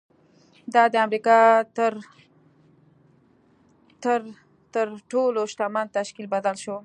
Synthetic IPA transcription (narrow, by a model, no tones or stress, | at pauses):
d̪ɑd̪əamɾikɑt̪əɾ | t̪əɾ | t̪əɾʈoloʃt̪ɑmɑnt̪aʃkilbad̪alʃo